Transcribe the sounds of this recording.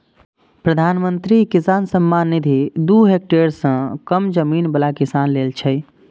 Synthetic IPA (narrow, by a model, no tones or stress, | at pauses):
pɾəd̪ʱanmənt̪ɾikisansəmːanːid̪ʱid̪uɦek̚ʈeɾsə̃kəmd͡ʒəminbəlakisanlelt͡ʃʰəj